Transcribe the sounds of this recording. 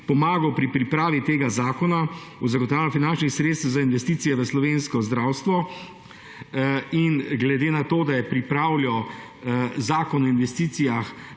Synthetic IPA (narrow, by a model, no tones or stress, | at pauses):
pɔmaːɡɔpɾipɾipɾaːʋit̪eːɡazaːkɔna | uzaɡɔt̪aːwlɔfinant͡ʃnixsɾet̪st̪wzainʋɛst̪iːt̪ijɛʋəslɔʋenskɔzd̪ɾawst̪ʋɔ | inɡlɛd̪eːnat̪oːd̪ajɛpɾipɾaːwlɔ | zaːkɔnɔinʋɛst̪iːt̪sijax